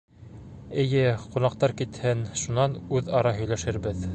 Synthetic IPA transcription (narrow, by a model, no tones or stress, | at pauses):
ɘ̆jɘqunɑqt̪ɑɾkit̪hɘnʃunɑnʉðɑɾɑɦɵ̆jlæʃɘ̆ɾbɘð